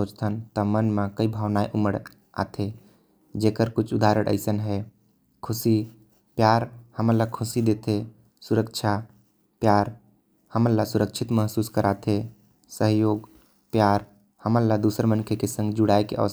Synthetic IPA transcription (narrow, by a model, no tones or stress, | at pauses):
oːt͡ʃt̪ʰənt̪əmənmãkəibʱaːʋnaːeʔuməɽ | a̰t̪ʰe | d͡ʒekəɾkʊt͡ʃʰud̪aɾəɽʔə̰ɪsənɦɛ | kʰʊsi | pjaːɾhəməɾlakʰʊsid̪et̪ʰe | suɾəkt͡ʃʰa | pjaːɾ | həməɾlasuɾəkt͡ʃʰɪt̪məɦsuːskəɾʔat̪ʰe | səɦjoːɡ | pjaːɾ | həməɾlad̪usəɾmənkʰekesə̃ŋɡd͡ʒʊɽaːekḛə̰ʋs